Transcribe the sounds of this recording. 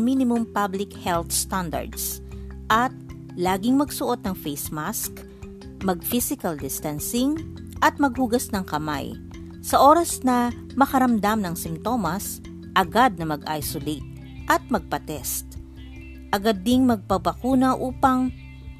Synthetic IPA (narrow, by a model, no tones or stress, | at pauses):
minɪmʊmpablɪkhɛlt̪st̪and̪ɐ̰ɹd̪s | ʔɐt̪̚ | laːɡɪŋmɐɡsʊʔo̞t̪̚nɐŋfejsmask | mɐɡ̚fisɪkɐld̪ɪst̪ansɪŋ | ʔɐt̪̚mɐɡ̚huɡɐsnɐŋkɐma̰j | sɐʔo̞ːɾɐsnɐ | mɐkɐɾɐmd̪amnɐŋsɪmt̪o̞mɐs | ʔɐɡad̪̚nɐmɐɡʔa̰jsolet̪̚ | ʔɐt̪̚mɐɡ̚pɐt̪ɛst̪ | ʔɐɡad̪ːɪŋmɐɡ̚pɐbɐkuːnɐʔuːpɐŋ